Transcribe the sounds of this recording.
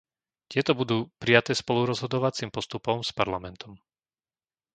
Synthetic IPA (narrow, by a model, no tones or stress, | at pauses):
t̪ɪɛt̪ɔbud̪uːpɾijat̪ɛːspɔluɾɔzɦɔd̪ɔʋat͡simpɔst̪upɔmspaɾlamɛnt̪ɔm